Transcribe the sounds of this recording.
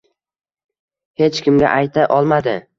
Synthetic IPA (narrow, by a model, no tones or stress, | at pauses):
he̞t͡ʃkʲʰɪmɡʲa̰ʔajt̪ʰaʔɒlˠmad̪ɪ